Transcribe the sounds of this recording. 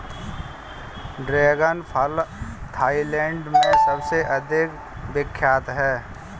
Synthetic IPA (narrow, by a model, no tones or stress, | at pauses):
ɖɾeːɡənpʰəlt̪ʰaːilɛ̃ːɳɖmẽsəbseʔəd̪ʱɪk | bɪkʰːjaːt̪ɦɛː